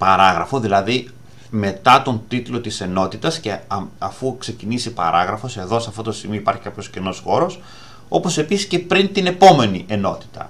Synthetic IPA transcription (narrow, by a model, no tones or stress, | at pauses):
pɐɾɐɣɾɐ̰fo̞ðilɐði | me̞t̪ɐt̪o̞nt̪it̪lo̞t̪ise̞no̞t̪it̪ɐsce̞ɐfukse̞cinisipɐ̰ɾɐɣɾɐfo̞se̞ðo̞sɐft̪o̞t̪ost̪iɣmioipɐɾçi̥kɐpço̞scino̞sxo̞ɾo̞s | o̞po̞se̞pisisce̞pɾint̪ine̞po̞me̞niʔe̞no̞t̪i̥t̪ɐ̰